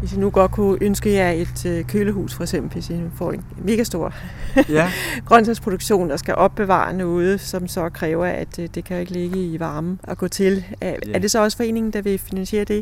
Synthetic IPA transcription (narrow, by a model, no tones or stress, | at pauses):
ʋe̝sjinuɡ̥ɒ̽d̥̚kʰuʔønsɡ̥əjɑ̈ɪe̝d̥økʰøːləɦṵːsfɒ̽eɡ̥sem̰b̥l̩ʋe̝sjinufɒ̰ːe̝nme̝ːɡ̥æsd̥o̝ɐ̰ | ɡ̥ʁɶnsʰæspʰʁo̝d̥uɡ̥ɕo̝̰ːnd̥ɑ̈sɡ̥æʔɒ̽b̥ːe̝ʋɑ̰̈ːnɔ̽ːð̞̩ˠsɒ̽msɒ̽kʰʁɛːʊɐʔæd̥d̥e̝kʰæjoe̝ɡ̥əle̝ɡ̥əiʋɑ̈ːm̩ɒ̽ɡ̥ɔ̰ːt͡sʰe̝læɐd̥e̝sɒ̽ɒ̽sə̥fɒ̽e̝̰ːne̝ŋn̩d̥ɑʋe̝finænɕe̝̰ːɐd̥e̝